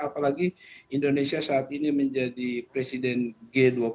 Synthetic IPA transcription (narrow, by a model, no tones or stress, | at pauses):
apalaɡiindonesiasaːt̪̚iniməɲd͡ʒadipɾɛsidɛnɡɛduap